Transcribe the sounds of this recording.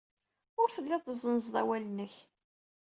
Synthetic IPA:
ʊɾθəlːɪðˤəzˤənzd̪ˤæ̰wælənːəç

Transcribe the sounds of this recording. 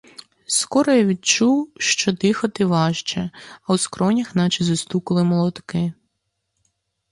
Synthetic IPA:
skɔɾɔjaʋʲid̪t͡ʃuwʃt͡ʃɔd̪ɪxɐt̪ɪʋɑʃt͡ʃɛɐwskɾɔnʲɐxnɑt͡ʃizʊst̪ukɐlˠɪmɔlˠɔt̪kɪ

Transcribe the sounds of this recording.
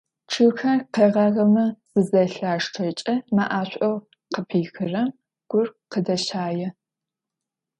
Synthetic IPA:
ʈ͡ʂʰɨxɐrqeːʁɐʁɐmɨz̥ɨzɐɬaːʂʈ͡ʂʰɐt͡ʃʼɐmaʔaːɕʷʼɐw | qəpʰiːxɨrɐm | ɡ̥ʷʊrqədɐɕaːjɛ

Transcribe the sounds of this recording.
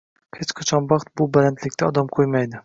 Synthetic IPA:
het͡ʃqʰɑt͡ʃʰɒnbɑqt̪̚bʊbɪɾant̪lɪkʲt̪ʰaɒd̪amqʰojmajd̪ɪ

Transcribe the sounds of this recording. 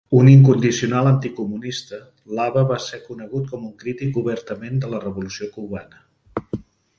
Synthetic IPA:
uniŋkund̪isiunalˠənt̪ikumunist̪ə | laβəβasekunəɣut̪̚kɔmuŋkɾit̪ikuβəɾt̪əmend̪ələrəβulusiokuβanə

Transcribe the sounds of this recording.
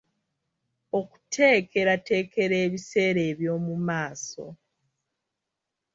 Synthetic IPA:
o̞ku̥tʰe̞ːkʰe̞ɾate̞ːke̞ɾe̞ːβise̞ːɾe̞ːβjo̞ːmumaːso̞̰

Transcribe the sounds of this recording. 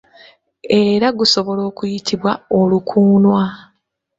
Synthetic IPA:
e̞ɾaɡuso̞βo̞lo̞ːkujitʰiβwaolukʰuːnwa

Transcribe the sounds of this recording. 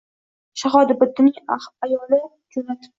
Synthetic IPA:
ʃaɦɒd̪ɪbʊd̪ːɪnɪŋajɒlɪ | d͡ʒonat̪ʰɪ

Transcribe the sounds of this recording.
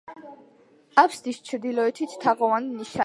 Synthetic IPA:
akʷʰsd̪ist͡ʃʰɾd̪ilɔɛt̪ʰi̥t̪ʰaʁɔvaniniʃa

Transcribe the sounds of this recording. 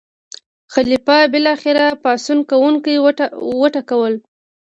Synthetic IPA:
xalipɑbɪlɑxɪɾapɑsunkawuŋkajwəʈakawəl

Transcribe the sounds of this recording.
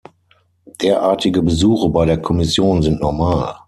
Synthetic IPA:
d̥eːɐʔaːɐtʰɪɡəbəzuːxəbaɪɾeːɐkʰɔmɪsjoːnzɪntnɔɐmaːl

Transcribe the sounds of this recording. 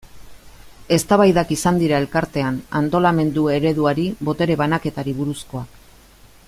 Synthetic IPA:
e̞st̪aβajðakisand̪iɾae̞lkaɾt̪e̞ana̰nt̪o̞lame̞nd̪ue̞ɾe̞ðuaɾiβo̞t̪e̞ɾe̞β̞anake̞t̪aɾiβ̞uɾusko̞ak

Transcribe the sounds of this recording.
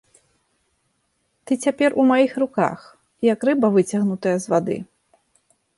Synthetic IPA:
t̪ɨt͡sʲapʲɛrʔumajixruka̰x | jɐkrɨbɐvɨt͡sʲɐɣnut̪ɐjɐzvad̪ɨ̰

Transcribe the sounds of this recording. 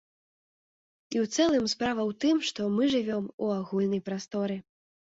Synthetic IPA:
iwt̪sɛlˠɨmspɾavɐwt̪ɨmʂt̪ɔmɨʐɨvʲɔmuaɣulʲnɐjpɾast̪ɔɾɨ

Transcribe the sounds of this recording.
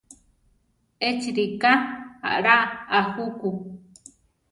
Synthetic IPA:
et͡ʃiɾikaa̰ʔɾaahuku

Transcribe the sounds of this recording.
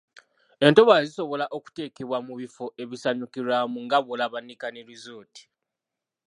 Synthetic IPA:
e̞nto̞βaziso̞βo̞laʔo̞ku̥te̞ːke̞βwamuβifo̞ʔe̞βisaɲukiɾamuŋɡaβolaβanːikaneɾizoːti̥

